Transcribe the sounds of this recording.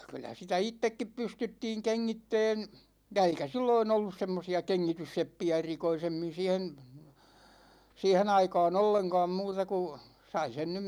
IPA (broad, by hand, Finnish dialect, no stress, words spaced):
kylːæ sitæ itːekːip pystytːiːŋ keŋːitːɛːn̞ jɑ eikæ silːoin olːus semːosiɑ keŋːitysːepːiæ erikoisemːin̞ siːhen̞ siːhen ɑikɑːn olːeŋkɑ̝ːm muːtɑ ku sɑi sen nym